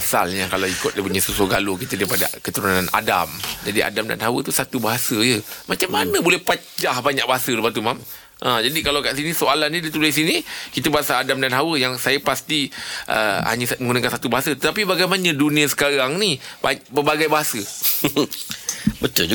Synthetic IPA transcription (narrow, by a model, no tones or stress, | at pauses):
asa̰lɲakalawikʊt̪̚lapuɲəsusoɡalokit̪adaipada̰kət̪uɾunana̰da̰md͡ʒadiʔa̰damda̰nɦawət̪usat̪ubaɦasəjəmat͡ʃamːanə̃bolɛhpa | d͡ʒahbaɲaʔ̚baɦasələpat̪̬umam | ʔə̃d͡ʒadikalawkaʔsinisoalanɲidit̪ulas̬inikit̪abaɦasaadamdanɦawəjaŋsajəpast̪iʔə̰ha̰ɲəsməŋɡunakansat̪ubaɦasət̪ət̪ap̬ibaɡajmanə̃dunĩasə̥kaɾaŋnibapərbaɡajbaɦasə | bət̪uld͡ʒu